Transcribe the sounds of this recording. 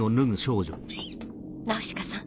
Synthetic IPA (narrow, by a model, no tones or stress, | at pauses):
onɯŋɯ̟ɕoːʑo̰ | naoɕi̥kasã